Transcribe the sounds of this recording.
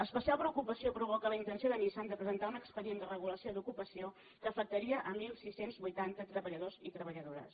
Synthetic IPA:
əspəsialˠpɾəukupəsiopɾuβ̞ɔkələint̪ənsioðəmisand̪əpɾəzənt̪aunəkspəðiend̪ərəɣ̞uləsiod̪ukupəsio | kəːfək̚t̪əɾiəʔəmilˠsisenzβujt̪ant̪ət̪ɾəβəʎəðozit̪ɾəβəʎəðoɾə̰s

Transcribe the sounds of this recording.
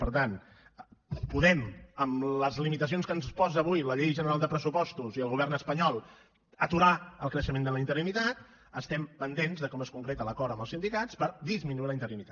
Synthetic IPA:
pəɾt̪an | puðɛməmləzlimit̪əsionskənspɔzəβujləʎejʒənəɾalˠd̪əpɾəsupɔst̪uziəlˠɣuβ̞ɛrnəspəɲɔlˠ | ət̪uɾaəlˠkɾəʃəmẽnd̪ələint̪əɾinit̪at̪̚ | əst̪ɛmpənd̪enzðəkɔməskuŋkɾet̪ələkɔɾəmbəlˠsind̪ikat͡spəɾd̪izminuiɾləint̪əɾinit̪a

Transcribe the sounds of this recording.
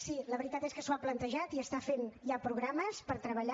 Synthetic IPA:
siləβəɾit̪at̪eskəsuaplənt̪əʒat̪iəst̪afenʎapɾuɣɾaməspəɾt̪ɾəβəʎa

